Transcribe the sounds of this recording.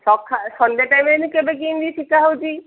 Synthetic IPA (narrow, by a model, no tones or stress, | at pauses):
sɔkʰːasɔnd̪eʈajmenikebek̬ind̪iʈʰikaɦowd͡ʒi